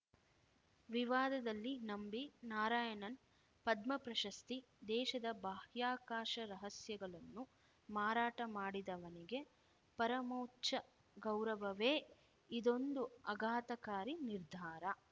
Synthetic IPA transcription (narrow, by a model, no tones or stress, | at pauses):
ʋiʋaːd̪ɐd̪ɐlːinɐmbinaːɾaːjɐnɐn | pɐd̪mɐpɾɐʃɐst̪i | d̪ɛːʃɐd̪ɐbaːhjaːkaːʃɐɾɐɦɐsjɐɡɐɭɐnːu | maːɾaːʈɐmaːɽid̪ɐʋɐniɡe̞ | pɐɾɐmɐwtːt͡ʃɐ | ɡɐwɾɐʋɐʋeː | id̪o̞nd̪uɐɡʱaːt̪ɐkaːɾiniɾd̪ʱaːɾɐ